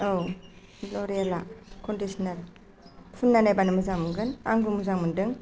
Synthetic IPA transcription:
ow | loɾialakʰondisnaɾ | pʰunːanajbanɯmɯzaŋmɯŋɡɯna̰ŋɡumuzaŋmɯndɯŋ

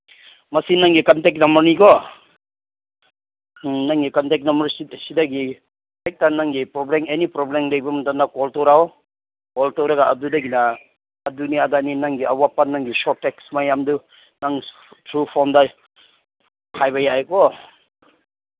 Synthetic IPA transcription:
mɐsinaŋɡikantek̚namɐɾnikɔ | naŋɡikantek̚nambɐɾssidaɡi | tejk̚tanaŋɡipɾɔblemenipɾɔblemlejbɐmantanakɔltɔwɾaw | kɔltɔwɾaɡaʔːdudaɡinaː | duniadaninaŋɡiawapːanaŋɡisɔtːeksmajamdu | naŋ | tʰɾupʰɔnda | kʰajbajajkɔ

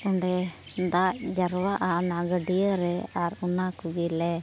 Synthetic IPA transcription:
uɳɖɛ | d̪ac̚d͡ʒəɾwaʔanaɡəɖijəɾɛaɾunakuɡilɛ

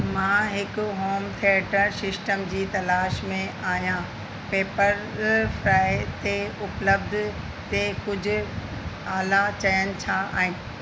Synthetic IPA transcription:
mãːɦɪkʊ̆ɦoːmt̪ʰiəʈəɾsɪsʈəmd͡ʑiːt̪ɐlaːʃmẽaːɦjã | peːpəɾfɾaːɪt̪eʊpləbd̪ʱ | t̪ekʊd͡ʑʱʊ̆ | aːlat͡ɕɐjənɪ̆t͡ɕʰaa̰ːɦɪ̃nɪ

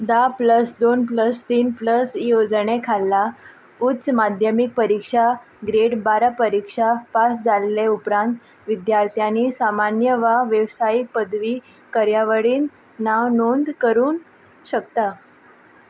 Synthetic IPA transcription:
d̪apləsd̪onpləst̪iːnpləsijod͡zɳekʰalːa | utt͡smad̪ʱjəmik̚pəɾikʂa | ɡɾeɽbaɾapəɾikʂapasd͡zaleleupɾãnt̪ | ʋid̪jaɾt̪ʰjaniːsamanjəʋaʋjeʋsajik̚pəd̪ʱʋiː | kəɾjaʋəɽiːnː | aʋnond̪kəɾuːn | ɕək̚t̪a

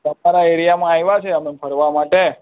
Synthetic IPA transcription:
t̪əmaɾaeɾijamãajʋat͡ʃʰeəmepʰəɾʋamaʈe

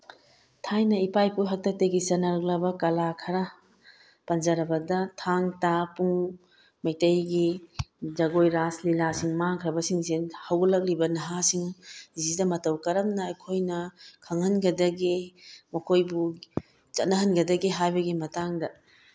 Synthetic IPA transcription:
tʰajnɐipajpujɦɐk̚tɐk̚teɡit͡ʃɐnːɐɾɐk̚lɐbɐkɐlakʰɐɾɐ | pɐnd͡ʒɐɾɐbɐdɐtʰaŋtapuŋ | mɐjtɐjɡid͡ʒɐɡojɾaslilasiŋmaŋkʰɾɐbɐsiŋzenhɐwɡɐlɐk̚libɐnɐɦasiŋuzidɐmɐtɐwkɐɾɐmnɐɐjkʰojnɐkʰɐŋhɐnɡɐdɐɡimɐkʰojbu | t͡ʃɐt̚nɐɦɐnɡɐdɐɡiɦajbɐɡimɐtaŋdɐ

